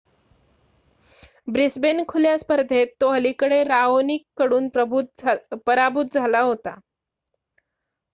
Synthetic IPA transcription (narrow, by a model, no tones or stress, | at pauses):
bɾisbenkʰuljaspəɾd̪ʱet̪ːoɦəlikəɽeɾaonikːəɽuːn | pəɾabʱut̪̚d͡zʱalaɦot̪a̰